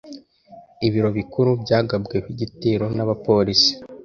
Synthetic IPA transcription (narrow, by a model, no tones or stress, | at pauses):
iβiɾo̞βikuɾubɟaːɡabɡeβiɟitiːɾo̞naβapo̞ɾisi̥